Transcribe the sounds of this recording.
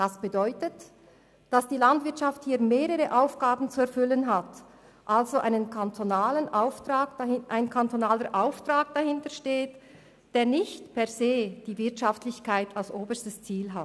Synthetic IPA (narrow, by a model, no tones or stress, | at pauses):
d̥asb̥ədɔʏtət | d̥asd̥iːlantvɪɐtʃafthiːɐmeːʁəʁəʔaʊfɡ̥aːbn̩t͡suɛɐfʏlənɦat | ʔalzoʔa̰ɪnənkʰantʰonaːlənʔaʊftʁaːk̚ʔaɪnkʰantonaːləʔaʊftʁ̥aːk̚d̥ahɪntəʃteːt | d̥eːɐnɪçtpʰɛɐzeːd̥iːvɪɐtʃaftlɪçkʰaɪtʰalsʔoːbəstəst͡siːlɦat